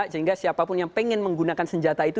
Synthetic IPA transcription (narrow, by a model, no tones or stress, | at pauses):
səɦiŋɡasiapapʊnjaŋpeŋɛnməŋɡunakansəɲd͡ʒat̪ait̪u